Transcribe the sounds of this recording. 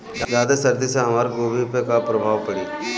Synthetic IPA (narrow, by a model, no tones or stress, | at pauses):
d͡ʒd͡ʒaːd̪esɐɾd̪iseɦɐmaːɾɡoːbipekapɾɐbʱaːʋpɐɽiː